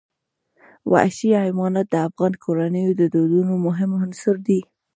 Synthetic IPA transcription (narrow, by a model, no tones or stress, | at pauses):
wa̰ʃiaɪmɑnat̪̚d̪əafɣɑnkʰoɾanəjod̪əd̪od̪unomʊɦɪmhansʊɾd̪i